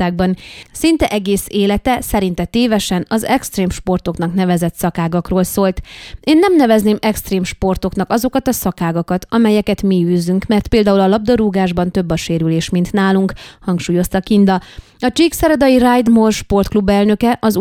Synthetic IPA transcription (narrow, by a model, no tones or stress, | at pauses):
aːɡ̚bɒnsint̪ɛʔɛɡeːseːlɛt̪ɛsɛɾin̪t̪ɛt̪eːvɛʃɛnɒzɛkst̪reːmʃpo̞rt̪o̞kn̪ɒkn̪ɛvɛzɛt̪sɒkaːɡɒkroːlsoːlt̪eːnːɛmnɛvɛzneːmɛkst̪reːmʃpo̞rt̪o̞knɒkɒzo̞kɒt̪ɒsɒkaːɡɒkɒt̪ʰɒmɛjɛkɛt̪miyːzyŋkmɛrt̪peːld̪aːulɒlɒb̚d̪ɒɾuːɡaːʒbɒnt̪ø̞bːɒʃeːɾyleːʃmint̪naːluŋkhɒŋkʃuːjo̞st̪ɒkind̪ɒ | ɒt͡ʃiːksɛɾɛd̪ɒjirajd̪morʃpo̞rt̪klubɛlnø̞kɛʔɒz